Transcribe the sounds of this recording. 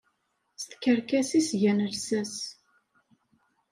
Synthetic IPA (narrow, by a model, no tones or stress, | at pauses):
st̪kəɾkæsisʝænəlsæs